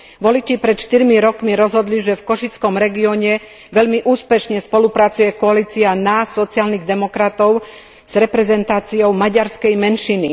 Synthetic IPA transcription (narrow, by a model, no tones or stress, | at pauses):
ʋɔlit͡ʃipɾɛt̪ʃt̪iɾmiɾɔkmiɾɔzɦɔd̪liʒɛfkɔʃit͡skɔmɾɛɡiɔɲɛ | ʋɛʎmiʔuːspɛʃɲɛspɔlupɾat͡sujɛkɔaliːt͡sianasɔt͡sialniɣd̪ɛmɔkɾat̪ɔʊ | z̥ɾɛpɾɛzɛnt̪aːt͡siɔʊmaɟaɾskɛjmɛnʃini